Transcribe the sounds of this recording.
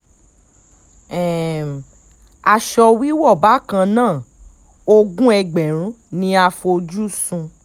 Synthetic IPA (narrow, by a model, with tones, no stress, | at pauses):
ɛ˨ | a˧ʃɔ˧wi˦wɔ˦˨ba˨˦kã˧nãː˦˨ | o˧ɡũ˦ɛ˧ɡ͡bɛ˨ɾ̃ũ˦ | nĩ˧˦a˧fo˧d͡ʒu˦sũ˧